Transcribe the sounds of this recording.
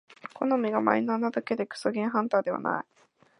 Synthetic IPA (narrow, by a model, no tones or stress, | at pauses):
kʰo̞nomʲiɡama̰inanat̪oked̪e̞kɯ̥soɡʲẽɦãnt̪aːd̪e̞βa̰na̰i